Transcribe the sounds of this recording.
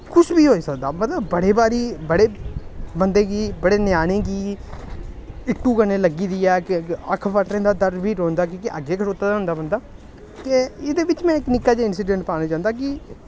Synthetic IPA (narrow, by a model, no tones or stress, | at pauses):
kʊsbiːɦoːiːsəkd̪aːmət̪ləbːəɽeːbaːɾiːbəɽeːbənd̪eːɡiːbəɽeːnɪjaːñẽːɡiː | ɪkʈːuːkənẽːləɡiːd̪iːɛːkɪəkʰbəʈɾẽːd̪aːd̪əɾbʱiːɾõːnd̪aːk̬ĩːkɪʔə̰ɡeːkʰəʈoːt̪aːd̪aɦʊ̃nd̪aːbənd̪aː | t̪eːɪd̪eːʋɪt͡ʃmɛ̃ːɪknɪkːaːd͡ʒeɪnsiːɖẽɳʈpaːñaːd͡ʒãːnd̪aːk̬ɪ